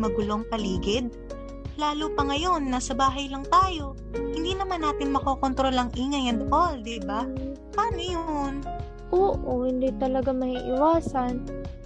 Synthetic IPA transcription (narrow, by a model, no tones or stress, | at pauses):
mɐɡʊloŋpɐliːɡɪd̪̚ | laːluːpɐŋɐjo̞nːɐsɐbaːɦɐjlɐŋt̪aːjo̞ | hɪnd̪iːnɐmanːaːt̪ɪnmɐkoːkont̪ɾo̞lɐŋʔiːŋɐjɐnd̪ʔold̪iba | paːmɪjon | ʔoːʔohɪnd̪it̪ɐlɐɡamɐhiːʔɪwaːsɐn